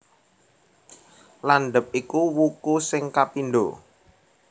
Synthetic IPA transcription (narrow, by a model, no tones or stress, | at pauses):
lanɖəp̚ikuwukusɪŋkapinɖo̰